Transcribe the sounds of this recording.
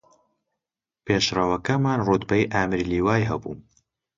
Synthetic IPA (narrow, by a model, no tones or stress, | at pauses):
peːʃrɐwɐkɐmaːnrud̪bɐjʔaːmɨɾiliːwaːjɦɐbṵːm